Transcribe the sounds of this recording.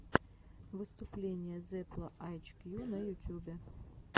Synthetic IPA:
vɨst̪ʊplʲenʲɪjəzɛplˠəʔajt͡ɕkjunɐjʊt̪ʲubʲɪ

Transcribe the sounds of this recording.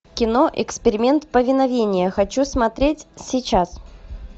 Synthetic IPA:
kʲɪno̞ʔɪ̰kspʲɪɾʲɪmʲe̞nt̪pəvʲɪnɐvʲenʲɪjəxɐt͡ɕusmɐt̪ɾʲetʲsʲɪt͡ɕas

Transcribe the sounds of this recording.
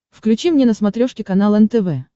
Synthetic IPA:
fklʲʉt͡ɕimnʲenəsmɐt̪ɾʲoʂkʲɪkɐn̪alˠɛnt̪ɛvɛ

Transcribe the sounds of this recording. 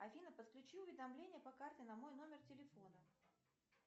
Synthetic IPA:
ɐfʲinəpət̪klʲʉt͡ɕiʊvʲɪd̪ɐmlʲenʲɪjəpɐkartʲɪnɐmo̞jn̪o̞mʲɪrtʲɪlʲɪfo̞nə

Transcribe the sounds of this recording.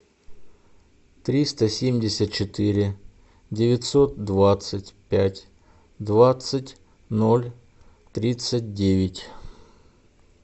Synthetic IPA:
t̪ɾʲist̪əsʲemʲdʲɪsʲət̪̚t͡ɕɪt̪ɨɾʲɪ | dʲɪvʲɪt̪so̞t̪̚d̪vat̪sɨtʲpʲætʲ | d̪vat̪sətʲ | nolʲ | t̪ɾʲit̪sɨt̚ʲdʲevʲɪtʲ

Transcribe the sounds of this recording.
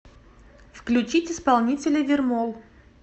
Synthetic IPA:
fklʲʉt͡ɕitʲɪspalˠnʲitʲɪlʲəvʲɪrmolˠ

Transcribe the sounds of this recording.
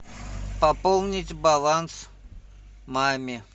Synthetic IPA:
pɐpolˠnʲɪtʲbɐlˠans | mamʲɪ

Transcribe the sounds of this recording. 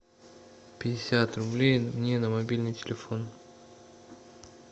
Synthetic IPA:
pʲɪdʲɪsʲat̪rʊblʲejmnʲenəmɐbʲilʲnɨjtʲɪlʲɪfo̞n

